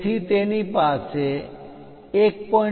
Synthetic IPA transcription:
t̪ʰit̪enipaseː | k̚pɔ̃

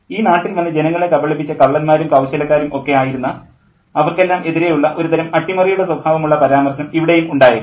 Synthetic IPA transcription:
iːnaːʈːilmɐnːɨd͡ʑe̞nɐŋːɐɭekɐbɐɭepːit͡ɕːɐkɐɭːɐnmaːɾumkɐwɕɐlɐkːaːɾumʔo̞kːe̞aːjiɾunːɐ | ɐʋɐrke̞lːaːmʔe̞ðiɾe̞juɭːɐʔo̞ɾut̪ɐɾɐmɐʈːimɐrijuɽe̞swɐbʱaːʋɐmuɭːɐpɐɾaːmɐrɕɐnɐmiʋiɽe̞jumuɳɖaːjɐ

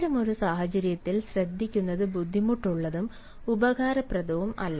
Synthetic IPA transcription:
ɾɐmo̞ɾusaːhɐt͡ɕɐɾijɐt̪ːilɕrɐd̪ʱːikʲːunːɐðɨbud̪ʱːimuʈːuɭːɐðum | ubɐɣaːɾɐprɐd̪ɐʋumɐ̰lːɐ

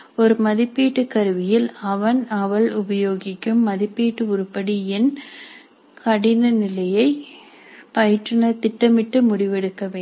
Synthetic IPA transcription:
ɔɾɯmɐðɪpːiːʈːɯkɐɾɯʋɪjɪlɐʋɐnɐʋɐlʊbɐjoːɣɪkːɯmːɐðɪpːiːʈːɯʊɾɯpːɐɽiɛn | kɐɽɪnɐnɪlɐjɐɪ | pɐjɪʈrɐnɐt̪ɪʈːɐmɪʈːɯmʊɽɪʋɛɽɯkːɐʋeː

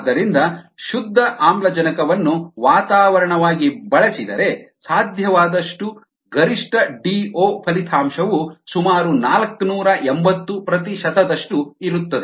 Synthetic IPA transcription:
d̪ːɐɾind̪ɐʃud̪ʱːɐʔaːmblɐd͡ʒɐnɐkɐʋɐnːuʋaːt̪aːʋɐɾɐɳɐʋaːɡibɐɭɐsid̪ɐɾe̞saːd̪ʱjɐʋaːd̪ɐʂʈu | ɡɐɾiʂʈɐɖiːoːpʰɐlit̪ʰaːmʃɐʋusumaːɾunaːlɐknuːɾɐʔembɐt̪ːupɾɐt̪iʃɐt̪ɐd̪ɐʂʈuiɾut̪ːɐd̪e

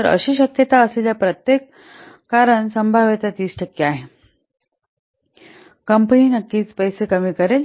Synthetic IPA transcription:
t̪əɾə̰ɕiːɕəkjət̪aəsleljapɾət̪jekː | aɾəɳsəmbʱaʋet̪at̪iːsʈʰəkːeaɦe | kəmpəniːnəkːiːt͡spəjsekəmiːkəɾel

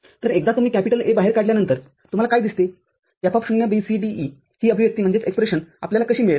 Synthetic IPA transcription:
t̪əɾek̚d̪at̪um̤iːkæpiʈəlebaɦeɾkaɽljanənt̪əɾ | t̪um̤alakaid̪ist̪e | japʰapɕuɡnjabisiɖii | hiːəbʱiʋjəkt̪iːm̤əɳd͡zet͡sekspɾeɕəna̰pljalakəɕiːmiɭ

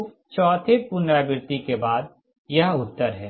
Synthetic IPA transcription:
t͡ʃɔːt̪ʰepʊnɾabɪɾt̪ikebaːd̪ | jɐɦʊt̪ːəɾɦɛː

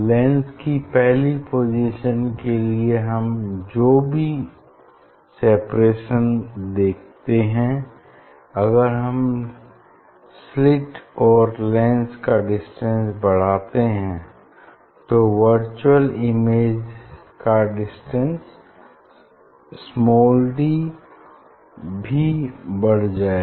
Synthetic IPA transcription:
lɛ̃ːnskipɛɦlipoːd͡ʒiʃənkelieɦɐmd͡ʒoːbʱi | sɛːpɾeːʃənd̪eːk̚ʰt̪eɦɛ̃ | ɐɡəɾɦɐm | slɪʈɔːɾlɛ̃ːnskaɖɪsʈə̃nsbɐɽ̤aːt̪eɦɛ̃ | t̪oʋəɾt͡ʃuwəlɪmeːd͡ʒ | kaɖɪsʈə̃ns | mɔːlɖi | bʱibɐɽ̤d͡ʒaːe

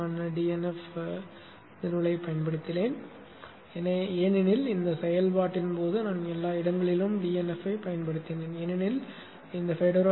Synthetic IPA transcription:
aːnɖiːɛnɛf | nɪɾʋɐɭɐɪpːɐjɐnpɐɽɯt̪ːɪleːn | ɛnɐeːnɪnɪlɪnd̪ɐsɛjɐlpaːʈːɪnpoːðɯnaːnɛlːaːɪɽɐŋɡɐɭɪlɯmɖiːɛnɛfɐɪpɐjɐnpɐɽɯt̪ːɪneːnɛnɪnɪl | ɪnd̪ɐfɛɽɐɾa

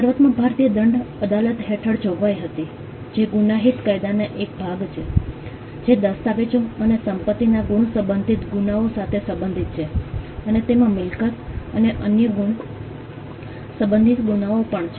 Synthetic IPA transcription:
səɾʋət̪mãbʱaɾt̪ijəd̪əɳɖəd̪alət̪ɦeʈʰəɽd͡ʒoɡʋajɦət̪i | d͡ʒeɡunaɦit̪kajd̪aneʔek̚bʱaɡt͡ʃʰe | d͡ʒed̪əst̪aʋet͡ʃõənesəmpət̪ːinaɡuɳ̃səbənd̪ʱit̪ɡunaosat̪ʰesəbənd̪ʱit̪̚t͡ʃʰeənet̪emãmɪlkət̪əneʔənjəɡuɳ | səbənd̪ʱit̪ɡunaopəɳt͡ʃʰe

